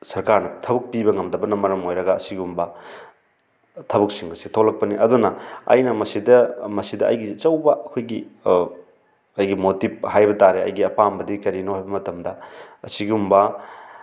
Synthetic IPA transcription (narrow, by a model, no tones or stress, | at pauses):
sɐɾkaɾnɐtʰɐbɐk̚pibɐŋɐmdɐbɐnɐmːɐɾɐmojɾɐɡɐːsiɡiumbɐ | tʰɐbɐk̚siŋbɐsitʰolɐk̚pɐniʔɐdunɐɐ̰jnɐmɐsidɐmɐsidɐʔɐjɡit͡ʃɐwbɐɐkʰojɡi | ɐjɡimotip̚hajbɐtaɾeɐ̰jɡiɐpambɐdikɐɾinohajbɐmɐtɐmdɐɐsiɡiumbɐ